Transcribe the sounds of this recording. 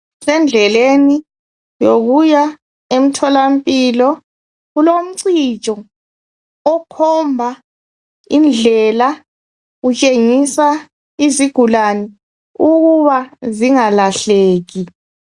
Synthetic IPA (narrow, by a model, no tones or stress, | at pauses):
sɛnd͡ɮʱɛleni | joɣuja | em̩tʰɔlam̩pʼilɔ | ɣulom̩ǀit͡ʃʼɔ | ɔkʰɔmbʱa | ind͡ɮʱɛla | ɣut͡ʃʼeŋisa | iziɡ̥ʱulani | uɣuβaziŋalaɬeːɣi